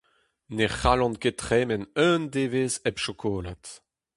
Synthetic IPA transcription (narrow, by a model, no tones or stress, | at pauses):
neχalɑ̃nketχɛːmɛnœ̃nd̪eːveːzɛpʃɔkʰoːla̰t